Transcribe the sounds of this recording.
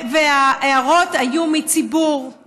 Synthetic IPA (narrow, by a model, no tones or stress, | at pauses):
veaeaʁo̞t̪ajumit͡sibuʁ